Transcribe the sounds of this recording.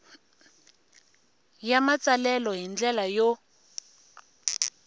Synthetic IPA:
jamat͡salɛlɔɦind͡ɮɛlajo

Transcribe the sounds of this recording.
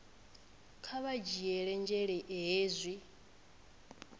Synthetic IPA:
kʰaβad͡ʒiɛɺɛnd͡ʒɛɺɛʔɛɦeːzʷi

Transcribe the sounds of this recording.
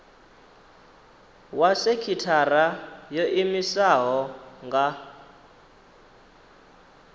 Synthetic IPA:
wasekʰitʰarajoʔimisaɦɔŋɡa

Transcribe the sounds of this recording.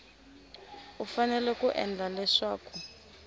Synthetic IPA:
ufanɛlɛkuʔɛ̰nd͡ɮʱalɛʂaːkʰɔ

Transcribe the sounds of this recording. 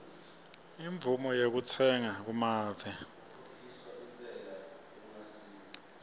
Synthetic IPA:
iɱb̪vumɔjek̬ut͡sʰɛŋak̬umaːvɛ

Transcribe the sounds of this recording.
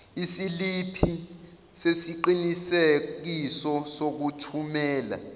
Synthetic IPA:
isilipʰi | sesiǃinisek̬isɔsok̬utʰumɛːla̰

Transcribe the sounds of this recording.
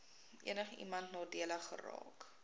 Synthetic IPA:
ʔḭənəχḭmɐntnɑːdiələχːə̰rɑ̰ːk

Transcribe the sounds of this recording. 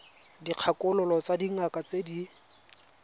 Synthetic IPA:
diq͡χʰakʼʊlʊlɔt͡sadiŋakat͡sedi

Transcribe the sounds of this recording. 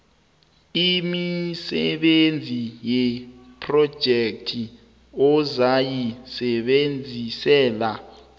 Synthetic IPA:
imisɛɓend͡zʱijɛpʰrɔd̥ʒ̥ʱek̚tʰi | ɔzajisɛɓend͡zʱisɛːla

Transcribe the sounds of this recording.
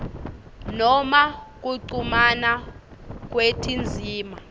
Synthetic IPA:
nɔmak̬uǀumana | k̬wetʰind͡zʱiːma

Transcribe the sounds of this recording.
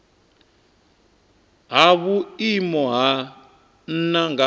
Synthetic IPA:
ɦaβuimɔɦa | n̩naŋɡa

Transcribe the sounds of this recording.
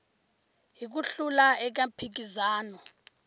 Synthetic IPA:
ɦik̬uɬulaɛk̬apʰik̬izaːnɔ

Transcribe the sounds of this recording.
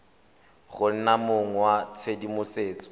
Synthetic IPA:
ɣʊn̩namoŋ̩wat͡sʰedimʊseːt͡sʼɔ̥

